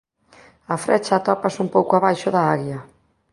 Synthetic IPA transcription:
afɾɛt͡ʃat̪ɔpasumpowkoaβajʃoðaaɣja

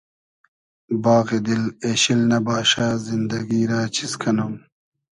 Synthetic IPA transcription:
baːɣed̪ileɕilnɐbaːɕaːzind̪ɐɡiːɾaːt͡ɕʰiskʰɐnum

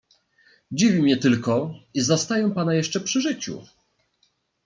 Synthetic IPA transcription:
d͡ʑivʲimʲɲɛt̪ɘlkɔizast̪ajɛwpanajɛʂt͡ʂɛpʂɘʐɘt͡ɕṵ

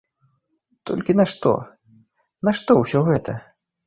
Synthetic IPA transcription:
t̪ɔ̰lʲkʲinɐʂt̪ɔ̰ | nɐʂt̪ɔwsʲɔɣɛt̪ɐ

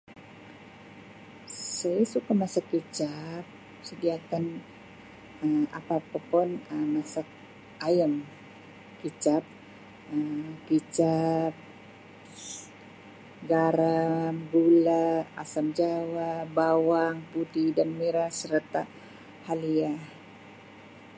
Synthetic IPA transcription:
sajasukamasakːit͡ʃap̚ | sədiakan | əma̰papapʊnəmːasak̚ | ajam | kit͡ʃap̚ | əmkit͡ʃap̚ | ɡaɾamɡulaa̰samd͡ʒawabawaŋpudidanmiɾasəɾt̪a | haliah

